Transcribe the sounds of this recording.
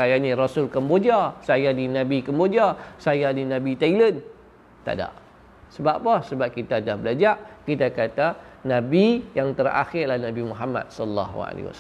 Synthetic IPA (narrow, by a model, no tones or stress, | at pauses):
ajanĩrɔsʊlkəmbod͡ʒasajadinabikəmbod͡ʒasajadinabit̪ailən | t̪a̰da̰ʔ | səbapasəbap̚kit̪adahbəlad͡ʒaʔkit̪akat̪anãbijaŋt̪əra̰xɪrlahnabimuɦama̰t̪̚sɔdəlːa̰ɦṵa̰lḭwa̰s